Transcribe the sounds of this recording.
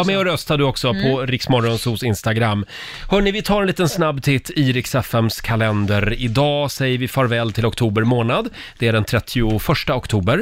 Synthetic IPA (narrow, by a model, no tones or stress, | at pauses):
amɛɔɾœst̪ad̪ɵɔksɔpʰɔɾɪksmɔɾːɔnsuːsɪnst̪aɡɾamː | hœːɳɪvɪt̪ʰɑːɾɛnliːt̪ənsnabːt̪ʰɪt̪ʰːiɾɪksɛfɛmskʰalɛnd̪əɾɪd̪ɑːsɛjəɾvɪfɑːɾvɛːlt̪ʰɪlɔkt̪ʰuːbəɾmoːnad̪ | d̪̥ɛæɖɛnt̪ʰɾɛt̪ʰːɪʊfœʂʈaɔkt̪ʰuːbəɾ